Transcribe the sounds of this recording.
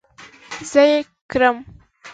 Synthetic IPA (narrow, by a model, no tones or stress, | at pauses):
zəje | kɾəm